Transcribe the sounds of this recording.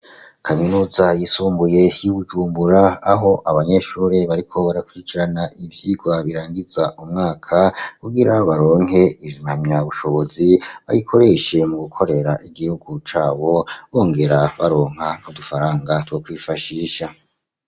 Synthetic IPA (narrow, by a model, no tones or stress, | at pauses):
kʰaminuːzajisuːmbuje̞juβud͡ʒuːmbuɾaːɦo̞ʔaβaɲe̞ʃuːɾeβaɾikʰo̞βaɾakuɾikiɾanaʔivjiɡwaβiɾaːŋɡiz̥aʔumŋaːkʰakuɡiɾaβaɾo̞ːŋɦe̞ivimamɲaβuʃo̞βo̞ziβa̰jikʰo̞ɾe̞ʃe̞muɡukʰo̞ɾe̞ɾaʔiɡihuɡut͡ʃaːβo̞βo̞ːŋɡe̞ɾaβaɾo̞ːŋ̥hanudufaɾaːŋɡatwokwiːfaʃiːʃa